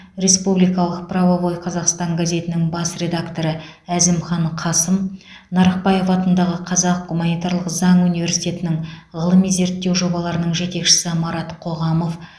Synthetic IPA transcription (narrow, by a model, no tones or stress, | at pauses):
re̞spublijkɑlˠəq̚pravovo̞jqʰɑzɑqst̪ɑŋɡazʲe̞t̪ɪnɪŋbɑsrʲe̞d̪akt̪o̞ɾəæzɪmχɑɴqʰɑsəm | nɑɾəq̚pɑje̞fɑt̪ənd̪ɑʁəqʰɑzɑq̚ɡumanijt̪aɾlˠəqzɑɴunivʲe̞ɾsijt̪ʰʲe̞t̪ɪnɪŋʁəlˠəmijze̞ɾt̪ːe̞wʒo̞bɑlˠɑɾənəɴʒe̞t̪e̞kʃɪ̥sɪmɑɾɑt̪qʰo̞ʁɑmo̞f